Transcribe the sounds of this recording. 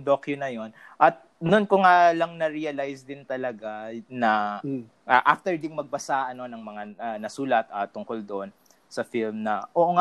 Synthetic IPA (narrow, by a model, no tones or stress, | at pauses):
d̪okjʊnɐjon | ʔɐt̪̚nʊnkʊŋalɐŋnɐɾiɐlajsd̪ɪnt̪ɐlɐɡanɐ | ʔaʔaft̪ɛɹd̪ɪŋmɐɡ̚bɐsaʔɐno̞nɐŋmɐŋaɐnɐsuːlɐt̪ɐːt̪ʊŋkold̪oʔon | sɐfilmnɐʔoʔoŋa